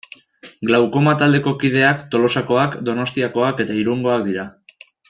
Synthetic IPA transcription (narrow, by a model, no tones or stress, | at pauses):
ɡlawko̞mat̪ald̪e̞ko̞kið̞e̞akt̪o̞lo̞sako̞akd̪o̞no̞st̪iako̞ake̞t̪aiɾuŋɡo̞akd̪iɾa